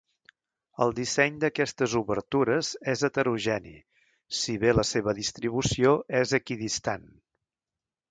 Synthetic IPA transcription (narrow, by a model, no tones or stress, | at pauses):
ə̰lˠd̪isɛɲd̪əkɛst̪əzuβəɾt̪uɾəzɛzət̪əɾuʒɛnḭ | siβeləseβəðist̪ɾiβ̞usioɛzəkiðist̪an